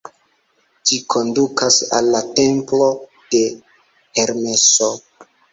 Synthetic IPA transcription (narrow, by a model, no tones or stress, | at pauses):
d͡ʒikʰo̞ndukasa̰lːate̞mplo | d̥e̞ | he̞ɾme̞so